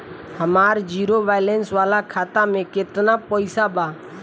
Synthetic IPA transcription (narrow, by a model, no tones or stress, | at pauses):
həmaːɾd͡ʒiːɾoːʋaːɪlensʋaːlakʰaːt̪amẽkɪt̪napəɪsabaː